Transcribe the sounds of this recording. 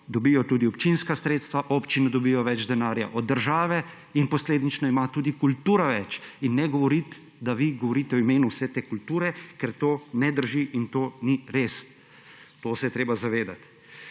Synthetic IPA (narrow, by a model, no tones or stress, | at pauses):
d̪ɔbiːjɔt̪uːd̪iɔpt͡ʃinskasɾeːt̪st̪ʋaʔopt͡ʃinɛd̪ɔbiːjɔʋɛd͡ʒd̪ɛnaːɾja̰ʔɔd̪ːəɾʒaːʋɛ | inpɔsleːd̪nit͡ʃnɔimat̪uːd̪ikult̪uːɾaʋɛt͡ʃinːɛɡɔʋɔɾit̪ | d̪aʋiɡɔʋɔɾiːt̪ɛɔimeːnuwsɛt̪eːkult̪uːɾɛkɛɾt̪oːnɛd̪əɾʒiʔint̪oːniɾeːs | t̪oːsɛjɛt̪ɾeːbazaʋeːd̪at̪